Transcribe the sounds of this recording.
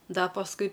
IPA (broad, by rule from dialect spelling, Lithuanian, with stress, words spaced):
ˈdɐ pɐsˈkʊɪ